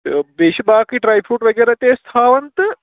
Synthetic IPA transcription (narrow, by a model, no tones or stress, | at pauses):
beːʃibaːkiʈɾaːjpʰuːʈʋɐɡeːɾat̪eːst̪ʰaːʋɐnt̪ɨ